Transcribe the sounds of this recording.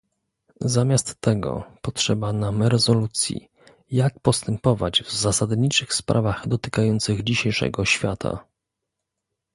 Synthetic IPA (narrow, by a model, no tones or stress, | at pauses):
zamʲjast̪ːɛɡɔ̰pɔtʂɛbanamɾɛzɔlut̪sʲjḭ | jak̚pɔst̪ɛmpɔvad͡ʑvzasad̪ɲit͡ʂɘxspɾʔa̰vaɣd̪ɔt̪ɘ̥kajɔnt̪sɘɣd͡ʑiɕejʂɛ̰ɡɔɕfʲjat̪ʰa̰